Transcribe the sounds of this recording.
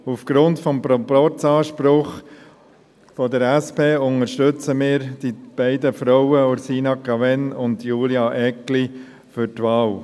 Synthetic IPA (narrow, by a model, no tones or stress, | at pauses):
ufɡ̥ɾʊntfɔmpɾɔpɔt͡sɑːʃpɾʊχ | fɔdəɾæspeːʊŋəɾʃtøt͡səmɪːɾd̥ib̥æɪd̪əfɾɔwəʊɾsiːnɑkɑvɛnʊnd̪juːljɑʔɛkli | fʏɾtʋɑːl